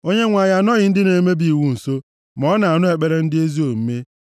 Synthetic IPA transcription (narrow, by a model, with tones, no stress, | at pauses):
o˦ɲe˦ŋʷa˨ja˦˨nɔ˦ɣɪ˨n̩˦dɪ˦ne˨˦me˦bi˦˨i˨wu˦n̩˨so˦ | mɔ˦na˨a˨nʊ˦ɦe˨k͡pe˨ɾe˦n̩˦dɪ˦e˦zi˦o˨m̩˦me˦